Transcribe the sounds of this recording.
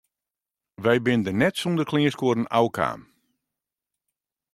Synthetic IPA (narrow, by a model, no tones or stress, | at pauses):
ʋɛjbɪndənɛtsundərkʰlɪːskoəɾən̩a̰wkʰa̰ːm